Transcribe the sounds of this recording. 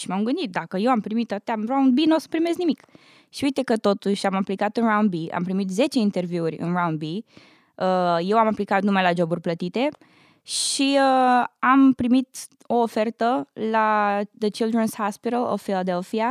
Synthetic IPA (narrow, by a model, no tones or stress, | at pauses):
ʃimamŋɡɨnd̪it̪̚d̪akəje̞wampɾimit̪ːat̪eaɾaw̃nd̪binosə̥pɾime̞snimik | ʃiuijt̪ekət̪o̞t̪uʃamaplikat̪ɨnraw̃nd̪̚bia̰mpɾimit̪ze̞t͡ʃe̞int̪e̞rviurʲɨ̰nrawnd̪̚bi | əje̞wamaplikat̪numajlad͡ʒo̞burʲplət̪it̪e̞ | ʃiəampɾimit̪ | o̞ːfe̞rt̪əlad̪ət͡ʃild̪ɾenshaspiɾəlo̰ffilad̪elfia